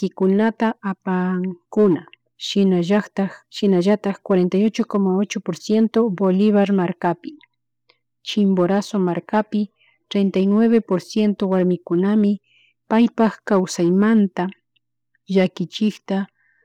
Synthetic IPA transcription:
kɪkʊnat̪aːpaŋkʊna | ʃɪnaʒat̪aʃɪnaʒat̪ɑχkwaɾent̪ajot͡ʃokomaot͡ʃopoɾsje̞nt̪obolɪβaɾmaɾkapɪ | t͡ʃɪmboɾasomaɾkapɪ | t̪ɾejnt̪ajnweβepoɾsje̞nt̪owaɾmɪkʊnamɪ | pajpaχkawsajmant̪a | ʎakɪt͡ʃɪkt̪a

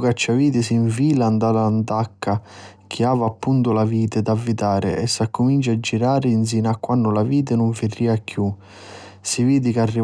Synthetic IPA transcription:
kat͡ʃːaviːt̪ɪsiɱfiːlaand̪alant̪akːa | k̟ʰiaːvapːunt̪ʊlaviːt̪ɪd̪avːit̪aːɾɪ̰ʔɛsːakːʊmint͡ʃad͡ʒːiɾaːɾɪins̬inakːwanːʊlaviːt̪̬ɪnʊɱfɪrːiːakʰːju | siviːd̪ɪkarːi

